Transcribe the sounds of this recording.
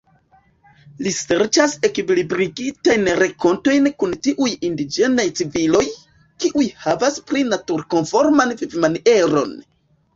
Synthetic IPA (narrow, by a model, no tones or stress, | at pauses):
lise̞ɾt͡ʃase̞kiblibɾiɡitajnɾeko̞nto̞jnkuntiʔujindid͡ʒe̞najt͡sivilo̞j | kiʔujhavaspɾinatuɾko̞nfo̞ɾmanvivmanie̞ɾo̞̰n